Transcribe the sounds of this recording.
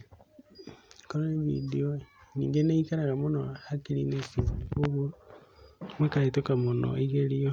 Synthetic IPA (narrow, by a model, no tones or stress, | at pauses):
koɾeβḭdionḭːŋɡeneikaɾaɣamonohakiɾinesikoβu | mwekaitokamono̰eɣeɾio